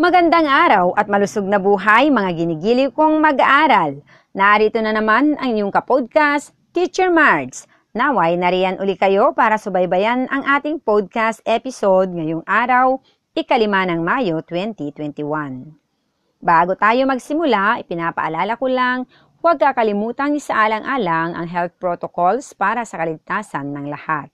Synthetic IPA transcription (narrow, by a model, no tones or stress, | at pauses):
mɐɡɐnd̪aŋʔaːɾɐwʔɐt̪̚mɐlʊsoɡ̚nɐbuːɦajmɐŋaɡɪniɡiːlɪwkoŋmɐɡaʔaːɾɐl | nɐʔaːɾit̪onɐnɐmanʔɐŋɪjoŋkɐpod̪̚kas | t̪ːit͡ʃɛɹmaɹds | nawajnɐɾiːɐnʔʊlikɐjo̞paːɾɐsʊbɐjbɐjanʔɐŋʔaːt̪ɪŋpod̪̚kast̪ʔɛpɪsod̪̚ŋɐjoŋʔaːɾɐw | ʔɪkɐlɪmaːnɐŋmaːjo̞t̪wɛnt̪it̪wɛnt̪ɪwan | baːɡot̪aːjo̞mɐɡsɪmʊlaʔɪpɪnaːpɐ̰ʔɐlaːlɐkʊlaŋ | wɐɡ̚kɐkɐlɪmuːt̪ɐŋɪsɐʔaːlɐŋʔaːlaŋʔɐ̰ŋɦɛlt̪̚pɹot̪okolspaːɾɐsɐkɐlɪɡ̚t̪aːsɐnːɐŋlɐhat̪̚